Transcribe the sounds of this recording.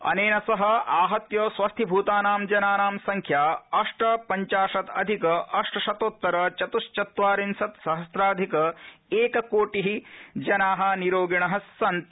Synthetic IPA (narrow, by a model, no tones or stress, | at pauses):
ɐ̰neːnɐsɐɦɐ̆aːɦɐt̪joːsʋɐst̪ʰibʱuːt̪aːnaːmd͡ʒɐnaːnaːmsɐŋkʰjaːɐʂʈɐpɐɲt͡ʃaːʂɐt̪ɐd̪ʱikɐʔɐʂʈɐʃɐt̪oːt̪ːɐɾɐt͡ʃɐt̪uʂt͡ʃɐt̪ʋaːɾinsɐt̪sɐɦɐsɾaːd̪ʱikɐeːkɐkoːʈiɦid͡ʒɐnaːɦɐ̆niɾoːɡiɳɐɦɐsːɐnt̪